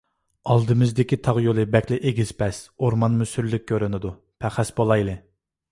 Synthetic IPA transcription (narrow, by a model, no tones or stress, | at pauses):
ɑlˠd̪ɨmɪzd̪ɪkʲit̪ʰɑʁjolˠɨbɛkʲlɪʔeɡʲiz̥pʰɛsoɾmɑnmysyɾlɪk̚ʲkʰʲːøɾynɪd̪u | pʰæχæsbolˠɑjlˠɨ